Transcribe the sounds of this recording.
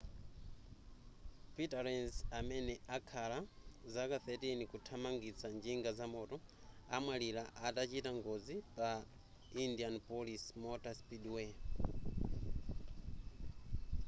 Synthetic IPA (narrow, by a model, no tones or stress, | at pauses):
pitaɾɛnsamɛnɛakʰalazakaθɛtinikutʰamaŋɡit͡sʰand͡ʒiŋɡazamɔtɔa̰mwalilaʔatat͡ʃitaŋɡɔzipa | indianpɔlismɔtaspidwɛ